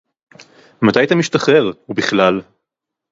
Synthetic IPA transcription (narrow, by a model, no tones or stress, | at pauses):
mat̪ajt̪amiʃt̪aχe̞ʁubiχlal